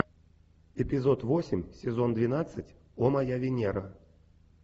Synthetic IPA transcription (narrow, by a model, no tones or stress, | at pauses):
ɛpʲɪzot̪vosʲɪmʲsʲɪzond̪vʲɪnat̪sɨtʲ | ɔmajavʲɪnʲɛɾɐ